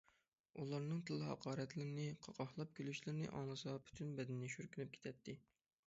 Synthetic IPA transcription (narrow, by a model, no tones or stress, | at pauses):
ulˠɑɾnɨŋt̪ʰɨlˠːɨɦɑ̰qʰɑːɾɛt̪lɪɾɪnɪqʰɑqʰɑχlˠɑp̚kʲylyʃlɪɾɪnɪ̰ʔɑŋlˠɨsɑpʰy̥t̪ʰynbɛd̪ɪnːɪʃyɾkʲʰylɪp̚kʰʲe̥t̪ʰɛt̪ʰːɪ